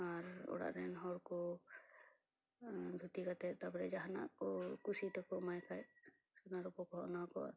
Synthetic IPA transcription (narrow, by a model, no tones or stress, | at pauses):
aɾɔ̰ɽa̰ʔɾɛnɦɔɽkɔ | d̪ʱut̪ikat̪ɛt̪apɔɾɛd͡ʒaɦana̰kɔkusit̪ɔkɔmajkʰaj | sɔnaɾupɔkɔɦɔʔnakɔa̰